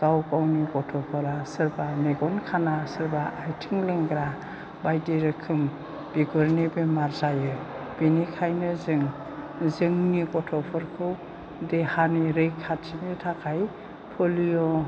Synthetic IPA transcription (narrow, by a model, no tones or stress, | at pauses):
ɡ̥awkawniɡɔtʰɔpʰɔɾasɯɾbaneɡɔnkʰanasɯɾbaʔːjtʰiŋleŋɡɾa | bajdeɾɯkʰɯm | b̥iɡɔɾnebemaɾzajɯ | b̥enikʰajnɯzɯŋ | zɯŋniɡɔtʰɔpʰɔɾkʰɯw | dehaniɾɯjkʰːatʰinitʰakʰaj | pʰɔlijɔ